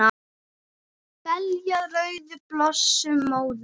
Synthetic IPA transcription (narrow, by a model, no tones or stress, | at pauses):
a | vɛljaɾœɥðʏplɔsːʏmoːwð